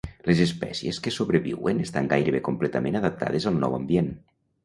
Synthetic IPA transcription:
lezespɛ̰sieskesoβɾeβḭwenest̪aŋɡajɾeβekomplet̪amẽnaðəp̚t̪ʰa̰ðezalˠnɔ̰wa̰mbjen

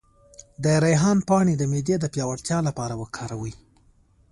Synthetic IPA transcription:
d̪əɾajɦɑnpɑɽed̪əmed̪jed̪əpjɑwaɽt̪jɑlapɑɾawəkʰɑɾawi

